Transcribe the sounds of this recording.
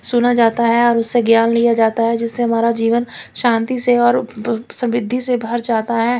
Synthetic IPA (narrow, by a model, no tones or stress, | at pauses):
sʊnad͡ʒaːt̪aɦɛɔːɾʊsːeɡjaːnlijad͡ʒaːt̪aɦɛd͡ʒɪsːeɦɐmaːɾad͡ʒiːʋənʃãːnt̪iseɔːɾsə̃mɪd̪ʱːisebʱəɾd͡ʒaːt̪aɦɛː